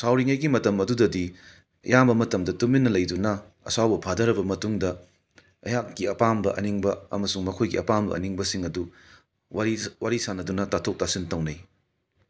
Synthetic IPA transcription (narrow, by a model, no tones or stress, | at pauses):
sawɾiŋɐjɡimɐtɐmɐdudɐdi | jambɐmɐtɐmdɐtuminːɐlɐjdunɐ | ɐ̰sawbɐpʰadɐɾɐbɐmɐtuŋdɐ | ɐ̰jakːiɐpambɐʔɐ̰niŋbɐɐ̰mɐsuŋmɐkʰojɡḭɐ̰pambɐ̰ɐ̰niŋbɐsiŋɐdu | waɾisanɐdunɐtatʰok̚tasintɐwnɐj